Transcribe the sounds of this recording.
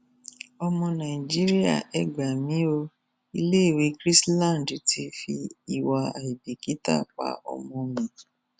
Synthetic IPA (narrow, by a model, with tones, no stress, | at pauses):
ɔ˧mɔ̃˧nã˨i˨d͡ʒi˦ɾi˦ja̰˦˨ɛ˨ɡ͡ba˨mĩ˨˦o˧ | i˧le˦i˦˨we˨˦kɾi˦slã˦˨dtʰi˧˦fi˧i˨wa˧a̰˨i˨bi˨ki˨˦ta̰˦˨k͡pa̰˧ɔ̰˧mɔ̃˧mĩ˨